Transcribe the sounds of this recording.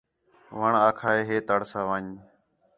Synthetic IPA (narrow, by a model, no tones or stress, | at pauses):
ʋəɳaːkʰaːeːɦeːt̪əɽsaːʋaːɲ